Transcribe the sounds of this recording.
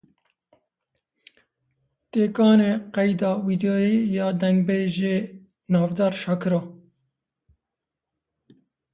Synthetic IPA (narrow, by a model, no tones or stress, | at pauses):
t̪eːkɑːneːqɛjd̪ɑːwiːd̪oːjeːjɑːd̪ɛŋɡbeːʒeː | nɑːvd̪ɑːɾʃɑːkʰɨɾɑː